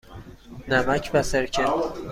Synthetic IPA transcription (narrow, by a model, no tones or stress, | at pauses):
næmæcʰbæseɾcʰe